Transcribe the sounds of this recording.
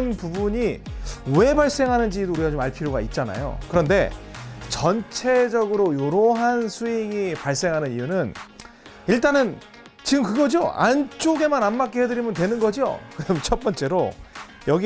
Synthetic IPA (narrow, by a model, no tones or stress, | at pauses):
npubuɲiwe̞baɭs͈e̞ŋɦanɯnd͡ʑidouɾiɡat͡ɕomaɭpʰiɾjoɡait̚t͡ɕ͈ana̰jo̰kɯɾʌnde̞̰t͡ɕʌnt͡ɕʰe̞d͡ʑʌɡɯɾojoɾoɦansʰuiŋipaɭs͈e̞ŋɦanɯnijunɯn | iɭt͈anɯn | t͡ɕiɡɯmkɯɡʌd͡ʑioa̰nt͡ɕ͈oɡe̞mananmak͈ehedɯɾimjʌntwe̞nɯnɡʌd͡ʑio̰kɯʌmt͡ɕʰʌt̚p͈ʌnt͡ɕ͈e̞ɾo | jʌɡi